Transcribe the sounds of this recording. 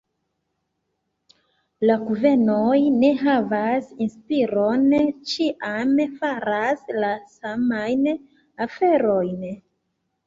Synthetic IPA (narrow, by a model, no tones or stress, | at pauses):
laɡuve̞nojne̞ɦavasinspiɾo̞nt͡ʃiʔamfaɾaslasamajn | afe̞ɾo̞jn